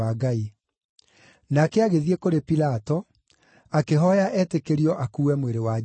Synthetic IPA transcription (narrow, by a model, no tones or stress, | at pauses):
aɡai | nakɛaɣeðiekoɾepilatɔ | akeɦɔjaʔɛːtekeɾiɔʔakuːwɛmweɾewa